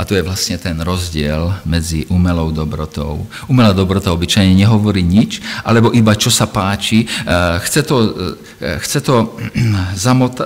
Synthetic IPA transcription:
at̪ɔjɛʋlast̪ɲɛt̪ɛnɾɔzɟɪɛlmɛd͡ziʔumɛlɔʊd̪ɔbɾɔt̪ɔ̰ʊ | umɛlad̪ɔbɾɔt̪aɔbit͡ʃajɲɛɲɛɦɔʋɔɾiːɲit͡ʃʔalɛbɔʔibat͡ʃɔsapaːt͡ʃixt͡sɛt̪ɔ | xt͡sɛt̪ɔ | zamɔt̪

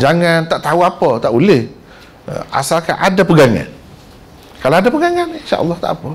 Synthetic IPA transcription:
d͡ʒaŋant̪aʔt̪auapət̪aʔulɪh | ə̰ʔa̰salka̰ʔadapəɡaŋa̰n | kalaadapəɡaŋaninʃa̰ʔə̰lˠˤːɑht̪a̰ʔapə

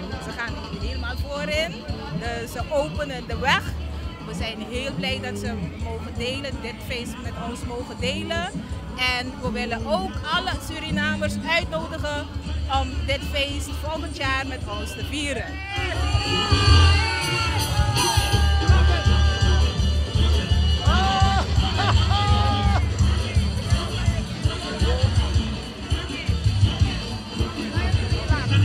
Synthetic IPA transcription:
səχaːn | ɦeləmaːlˠfoːɾɪndəsəʔowpənəndəʋɛχʋəzɛjnɦeːlˠblɛjdɑtsəmowχəndeːləndɪtfejsmɛtɔnsmowχəndejlən | ɛnʋəʋɪlənʔowkɑləsyɾinaːmərsœɥtnoːdəχənɔmdɪtfejsfɔlˠχəntjaːrmɛtɔnstəviːɾən

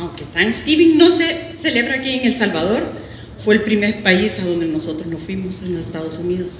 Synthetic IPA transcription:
awŋkest̪aŋest̪iβiŋno̞se̞se̞le̞βɾaːkieŋe̞lsalβað̞o̞ɾ | fwe̞ːlpɾime̞ɾpaisaðo̞nd̪e̞no̞so̞t̪ɾoznosfwimo̞senlosest̪aðo̞suniðo̞s

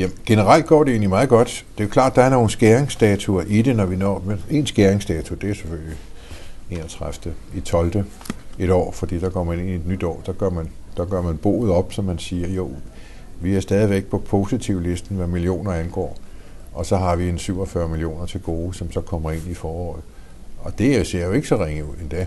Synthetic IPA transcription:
jæmnɡ̥enəʁal̰d̥̚ɡ̥ɒ̰ːɾee̝̰ːnlimɑ̈ːð̞̩ˠɡ̥ɒ̽d̥d̥e̝okʰlɑ̰̈ːd̥ɑ̈æɐno̝ːn̩sɡ̥eɐeŋsd̥ɛt͡sʰuɐʔid̥e̝nɒʋinɒ̰ːmee̝nsɡ̥eɐʁeŋsd̥ɛt͡sʰud̥e̝æɐsefølji | e̝nɒt͡sʰʁafd̥əit͡sʰɒ̽ld̥ə | e̝ɾɒ̰ːfɒ̽d̥ḭːd̥ɑ̈kʰɒ̽m̰ɐe̝ne̝nie̝d̥nyd̥ɒ̰ːd̥ɑɡ̥ɶɐmænd̥ɑ̈ɡ̥ɶɐ̰mænb̥o̝̰ːð̩ˠɒ̽b̥sɒ̽mːænsiːɐjo̝ | ʋiæɐsd̥ɛːð̞ˠiʋeɡ̥̚pʰɒ̽pʰo̝sit͡sʰiʊle̝sd̥n̩ʋæmilio̝̰ːnɐænɡ̥ɒ̰ː | ʔɒ̽sɒ̽ɦɑ̈ʋiensyʊ̰ɒfɶɐmilijo̝̰ːnɐt͡sʰe̝lɡ̥o̝ːsɒ̽msɒ̽kʰɒ̽m̰ɐe̝n̰ifɒːɒ̰ːð̩ˠ | ɒ̽d̥e̝æse̝ɐ̰jo̝e̝ɡ̥sɒ̽ʁeŋəuð̰ˠend̥ɛ

